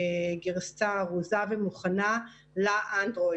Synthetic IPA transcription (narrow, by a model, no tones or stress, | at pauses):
ɡeʁst͡saʁuzavemuχana | laʔandʁo